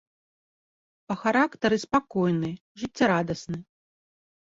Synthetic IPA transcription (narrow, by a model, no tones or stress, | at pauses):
pɐxaɾakt̪ɐɾɨspakɔjnɨ | ʐɨtt͡sʲːaɾad̪ɐsnɨ